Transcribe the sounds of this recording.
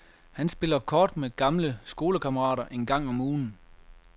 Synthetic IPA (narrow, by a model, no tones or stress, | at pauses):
hænsb̥e̝l̰ɐkʰɒːd̥meɡ̥ɑ̈mləsɡ̥o̝ːləkʰɑmɐʁɑ̰̈ːɾɐʔe̝nɡ̥ɑ̈ŋ̰ɒ̽muːn̩